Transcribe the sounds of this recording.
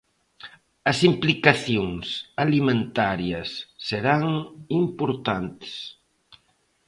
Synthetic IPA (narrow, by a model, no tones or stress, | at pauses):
ɐsimplikaθjoŋsalimẽnt̪aɾjɐsːeɾaŋimpoɾt̪ant̪ɪ̥s